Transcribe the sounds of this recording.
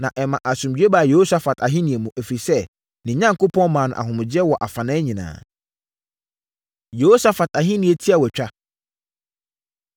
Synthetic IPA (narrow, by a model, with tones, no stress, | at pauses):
nã˨ʔɛ˨mã˨ʔa˨sʊ̃˨mɥᶣe˦ba˨je˨ho˦sa˨fa˨tʰa˨ɦɪ̃˦nĩ˨e˨mũ˨ʔæ˨fɾi˨sɛ˦ | nɪ̃˨˦ɲã˦ŋkʰo˦pʰɔ̃˦nmãː˨nʊ̃˨ʔa̰˨hʊ̃˨mʊ̃˨d͡ʑɪ˦ɛ˦wɔ˨ʔa˨fã˨nɛ̃ː˦ɲĩ˨nã̰ː˨ | jo˨ho˦sa˨fa˨ta˨ɦɪ̃˦nĩ˨e˨tʰi˦a˨wɔ˨t͡ɕᶣa˦